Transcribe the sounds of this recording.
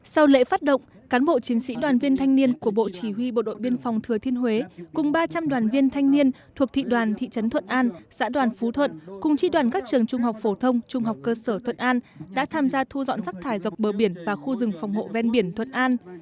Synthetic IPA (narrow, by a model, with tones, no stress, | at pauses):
sa˧wlḛ˧˥faː˦˥t̚ɗə̰˧˨wŋ͡m | kaː˨˦nɓo̰˧˨t͡ɕi˨˦ənsḭ˧˥ɗwaː˨˩nvi˧ənt̪ʰa˧jŋ̟ni˧ənku˧˩əɓo̰˧˨t͡ɕi˧˩hwi˧ɓo̰˧˨ɗo̰˧˨jɓi˧ənfa˨˩wŋ͡mt̪ʰɨ˨˩ət̪ʰi˧ənhwe˨˦kʊ˨˩ŋ͡mɓaː˧t͡ɕa˧mɗwaː˨˩nvi˧ənt̪ʰa˧jŋ̟ni˧ənt̪ʰu˨˩ək̚t̪ʰḭ˧˨ɗwaː˨˩nt̪ʰḭ˧˨t͡ɕə˨˦nt̪ʰwə˧˨nʔaː˧nza̰ː˧˥ɗwaː˨˩nfu˨˦t̪ʰwə̰˧˨nkʊ˨˩ŋ͡mt͡ɕi˧˥ɗwaː˨˩nkaː˦˥k̚t͡ɕɨ˨˩əŋt͡ɕʊ˧ŋ͡mɦa˨˩wk͡p̚fo˧˩t̪ʰə˧wŋ͡mt͡ɕʊ˧ŋ͡mɦa˨˩wk͡p̚kəː˧səː˧˩t̪ʰwə̰˧˨nʔaː˧nɗa̰ː˧˥t̪ʰaː˧mzaː˧t̪ʰu˧zɔ̰˧˨nsa˦˥k̚t̪ʰaː˧˩jzwa˨˩k͡p̚ɓəː˨˩ɓi˧˩ənvaː˨˩xu˧zɨ˨˩ŋfa˨˩wŋ͡mho̰˧˨vɛ˧nɓi˧˩ənt̪ʰwə̰˧˨nʔaː˧n